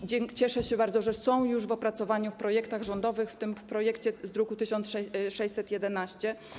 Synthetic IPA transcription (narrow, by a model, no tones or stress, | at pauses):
d͡ʑɛŋt͡ɕɛʂɛɕɛbaɾd̪zɔʐɛsɔ̃w̃juʐvɔpɾat̪sɔvaɲufpɾɔjɛkt̪aɣʐɔnd̪ɔvɘxft̪ɘmfpɾɔjɛkt͡ɕɛzd̪ɾukut̪ɘɕɔnt̪sʂɛʂɛjt̪sɛt̪jɛd̪ɛnaɕt͡ɕɛ